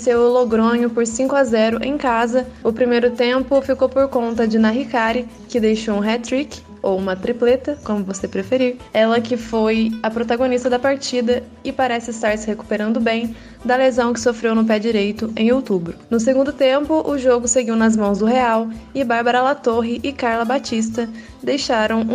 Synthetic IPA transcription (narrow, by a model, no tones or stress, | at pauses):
sewʊloɡɾõɲʊpoɾsĩkʊazɛɾʊʔḛ̃j̃kazɐʊpɾimejɾʊt̪ẽmpʊfikowpoɾkõnt̪ɐd͡ʒɪnaɦikaɾɪ | kɪd̪ejʃowũɦɛt̪ɾik | owũmɐt̪ɾiplet̪ɐkõmʊvosepɾefeɾiɾɛlɐkɪfojɐpɾot̪aɡonist̪ɐd̪ɐpaɾt͡ʃid̪ɐ | ɪpaɾɛsɪɪst̪aɾsɪheku̥peɾɐ̃nd̪ʊbẽj̃ | d̪ɐlezɐ̃w̃kɪ̥sofɾewnʊp̬ɛd͡ʒiɾejt̪ʊẽj̃owt̪ubɾʊnʊs̬eɡũnd̪ʊt̪ẽmpʊʔʊʒoɡʊseɡiwnɐzmɐ̃w̃zd̪ʊɦeawɪbaɾbaɾɐlat̪oɦɪʔɪkaɾlɐbat͡ʃis̬t̪ɐ | d̪ejʃaɾɐ̃w̃